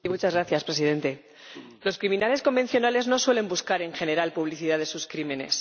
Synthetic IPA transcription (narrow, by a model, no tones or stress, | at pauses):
imut͡ʃazɣɾaθjaspɾe̞s̬iðe̞nt̪e̞ | lo̞skɾimĩnale̞sko̞mbe̞n̟θjo̞nale̞zno̞swe̞le̞mbuskaɾe̞ŋxe̞ne̞ɾalpuβ̞liθiðaðe̞suskɾime̞ne̞̰s